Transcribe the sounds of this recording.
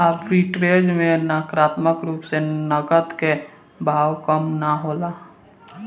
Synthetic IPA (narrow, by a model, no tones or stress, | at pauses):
abpiʈɾed͡ʒmenakɾat̪məkɾuːpsenəɡət̪ke | bʱawkəmnaɦola